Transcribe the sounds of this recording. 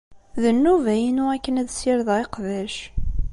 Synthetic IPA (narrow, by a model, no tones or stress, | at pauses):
ðənːuvæjinʊækːənæðsiɾðeqðæʃ